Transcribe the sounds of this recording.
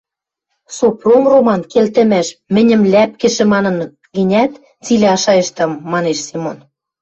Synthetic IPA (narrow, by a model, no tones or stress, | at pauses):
sopromromɑnkelt̪ɘ̆mæʃmɘ̆nʲɘ̆mlæp̚kɘ̆ʃɘ̆mɑnɤ̆n | ɡɘ̆nʲæt̪ | t͡silʲĕɑʃɑjɤ̆ʃt̪ɤ̆mːɑneʃsemon